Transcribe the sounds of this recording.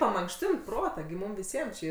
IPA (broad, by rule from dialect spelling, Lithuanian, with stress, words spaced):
pɐmɐŋkˈʃʲtʲɪnt ˈproːtɑː ɡʲɪ ˈmuːm ʋʲɪˈsʲiɛm t͡ʃʲɪ